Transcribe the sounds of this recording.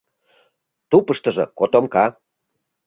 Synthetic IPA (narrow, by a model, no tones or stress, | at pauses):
t̪upəʃt̪ə̆ʒɤ̰kot̪omkɑ